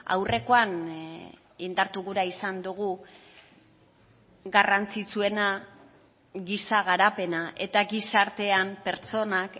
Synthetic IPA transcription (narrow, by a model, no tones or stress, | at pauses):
a̰wre̞ko̞an | ind̪aɾt̪uɣuɾaisand̪uɣ̞u | ɡarant͡sit͡sue̞na | ɣisaɣ̞aɾape̞naʔe̞t̪aɡisaɾt̪e̞ampe̞ɾt͡so̞nak